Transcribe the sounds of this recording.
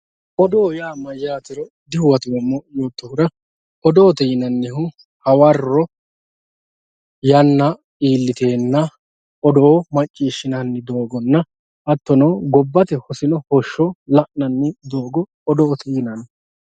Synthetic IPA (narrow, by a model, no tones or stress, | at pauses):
ʔɔd̪oːjaːmɐjaːt̪ɪɾɔ | d̪ɪhʊwɐt̪ɪwɔmːɔjoːt̪ːɔhʊɾɐ | ɔd̪oːt̪ɪnɐnːɪhʊ | hɐwɐrːɔ | jɐnːɐ | iːlːɪt̪e̞ːnːɐ | ɔd̪oːmɐt͡ʃʼːiːʃːɪnɐnːɪd̪o̞ːɡɔnːɐ | ʔɐt̪ːɔnɐɡɔbːɐt̪ɛhɔsɪnɔhɔʃːɔlɐʔnɐnːɪd̪oːɡɔ | ɔd̪ɔːt̪ʰinɐnː